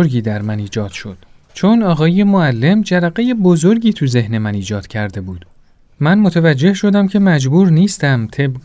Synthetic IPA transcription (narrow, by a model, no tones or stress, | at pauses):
ɾɟiːd̪æɾmæniːd͡ʒɒːd̪̥ʃo̞d̪̥ | t͡ʃʰo̞nɒːɣɒːje̞moælːe̞md͡ʒæɾæɢeje̞bozo̞ɾɟʲiːt̪ʰuze̞hne̞mæniːd͡ʒɒːd̪̥cʰæɾd̪e̞buːd̪̥ | mænmot̪ʰævæd͡ʒːe̞hʃo̞d̪æmcʰe̞mæd͡ʒbuːɾniːst̪æmt̪ʰe̞b